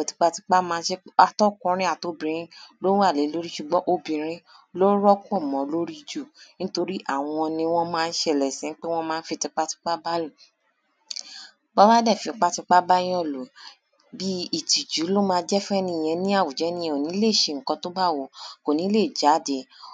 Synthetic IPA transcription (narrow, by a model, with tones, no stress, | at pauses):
ɔ˨ti̥˨˧k͡pa˧ti˧k͡pa˦mãː˧˦ʃe˦a˦tɔ˦˨kũ˧˦ɾ̃ĩ˦a˦˨to˨˦bĩ˨˧ɾ̃ĩ˦lo˦a˦˨le˨˦lo˦ɾi˦ʃu˧˨ɡ͡bɔ̃˦ʔo˦bĩ˨ɾ̃ĩ˦ | lo˦ɾɔ˦k͡pɔ˦˨mɔ̃˨lo˦ɾi˦d͡ʒu˦˨nĩ˦to˧ɾi˦ʔa˦˨w̃ɔ̃˧nĩ˧w̃ɔ̃˦mãː˧˦˧n̩˦ʃɛ˧˨lɛ˨sĩ˨˦k͡pe˦w̃ɔ̃˦mãː˦˧n̩˦fi˧ti˧k͡pa˦ti̥˧k͡pa˦ba˦lo˦˨ | k͡pɔ˦ba˦dɛ˦˨fi˧˦k͡pa˦ti˧k͡pa˦ba˦jĩ˦ɔ̃˦˨lo˨ | bi˦i˦˨ti˨d͡ʒu˨˦lo˦mãː˧˦d͡ʒɛ˦fũ˦ɛ˧nĩ˧˨j̃ɛ̃˧nĩ˦a˦˨wu˨d͡ʒɛ˨˦nĩ˧˦˨o˨nĩ˨˦le˦˨ʃe˧˨ŋ̩˨kɔ̃˧to˦ba˦˨wo˨ko˨nĩ˨˦le˦˨d͡ʒa˨˦de˨